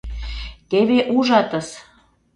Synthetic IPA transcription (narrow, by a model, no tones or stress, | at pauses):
t̪eβeʔuʒɑt̪ə̆s